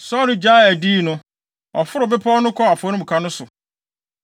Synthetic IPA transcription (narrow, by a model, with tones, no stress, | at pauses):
sɔ˦nʊ̃˦d͡ʑa˦˨æ˨diː˦˨nʊ̃˦ | ɔ˨fʊ˦ɾʊ˨bɪ˦pʰɔ˦nʊ̃˦kʰɔ˦a˨fʊ˨˦nʊ̃˦m̩ũ˨kʰa˦nʊ̃˦sʊ˨